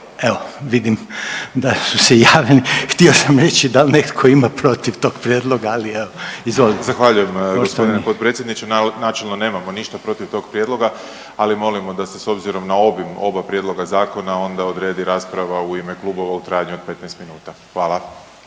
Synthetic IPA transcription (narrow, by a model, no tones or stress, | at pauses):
e̞oʋid̪imd̪asusejaːʋʎenixt̪io̞samɾe̞t͡ɕid̪alnekkʰo̞imapɾo̞t̪iʋt̪o̞ːɡpɾjeːd̪lˠo̞ɡaːlieoizʋolit̪zaxʋaʎujemɡoospt̪d̪ineipod̪pɾet̪sjed̪nit͡ʃennat͡ʃelˠnone̞ːmamoniʃt̪apɾo̞t̪iʋt̪o̞ɡpɾjed̪lˠo̞ɡa | alimo̞limo̞d̪aseso̞bziɾo̞mnao̞bimo̞̰bapɾje̞d̪lo̞ɡazaːko̞nao̞nd̪aod̪ɾe̞ːd̪iɾaːspɾaʋauimeklˠuːbo̞ʋaut̪ɾaːjaɲuo̞d̪̚pe̞t̪nɛjst̪minuːt̪axʋaːlˠa